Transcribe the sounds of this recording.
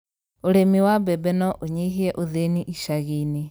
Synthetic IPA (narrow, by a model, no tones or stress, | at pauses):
oɾemiwabɛbɛnɔʔoɲeɦiɛʔoðeniʔiʃaɣini